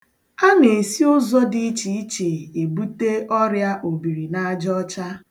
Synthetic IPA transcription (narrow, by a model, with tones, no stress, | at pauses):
a˦ne˨si˦ʊ˦zɔ˦dɪ˦i˦t͡ʃi˨i˦t͡ʃe˨e˨bu˦te˦ɔ˦ɾja˦ʔo˨bi˨ɾi˨na˦a˦d͡ʒɔ˦t͡ʃa˦